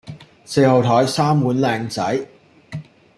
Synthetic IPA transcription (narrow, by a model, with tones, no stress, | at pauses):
se˧jhɐ˨wt̪ʰɔː˨˥jsaː˥mwuː˨˥nlɛː˧ŋt͡sɐ˨˥j